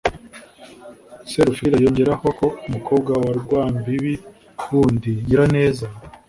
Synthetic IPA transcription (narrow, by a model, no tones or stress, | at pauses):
seɾufiɾajo̞ːɲɟe̞ɾaho̞ko̞umukʰo̞ːb̚ɡawaɾɡwaːmbiβi | wundiɟiɾane̞ːza